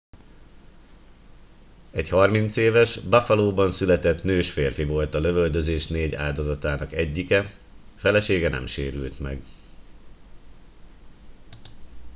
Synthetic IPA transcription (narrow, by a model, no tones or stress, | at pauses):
ɛchɒrmint̪seːvɛʃbafɒloːbɒnsylɛt̪ɛt̪nøːʃfeːrfivo̞lt̪ɒløvøld̪øzeːʃneːɟa̰ːld̪o̞zɒt̪aːnɒkɛɟːikɛ | fɛlɛʃeːɡɛnɛ̰mʃeːɾylt̪mɛ̰ɡ